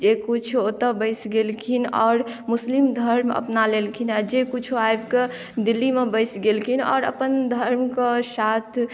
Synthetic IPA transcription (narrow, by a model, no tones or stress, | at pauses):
d͡ʒekut͡ʃʰot̪əbəɪsɡelkʰinɔ̰ːɾmuslimd̪ʱəɾmə̰pnalelkʰinad͡ʒekut͡ʃʰoajbke | d̪ilːimebəɪsɡelkʰinɔ̰ːɾə̰pənd̪ʱəɾmkesat̪ʰ